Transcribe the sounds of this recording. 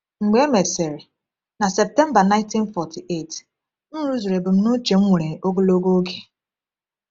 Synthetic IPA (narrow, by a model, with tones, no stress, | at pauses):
ŋ͡m̩˨ɡ͡be˦me˨se˨ɾɪ˨ | na˨sɛ˨p̚tɛ˦m̩˦ba˨na˦ɪ̃˦nti˦n̩˦fɔ˨tʰi˨ʔe˦˨t | n̩˦ɾu˦zu˨ɾe˨bʊ˨m̩˦nʊ˦t͡ʃe˨ŋ͡m̩˦ŋʷe˨ɾe˨o˦ɡo˦lo˦ɡo˦ɡe˨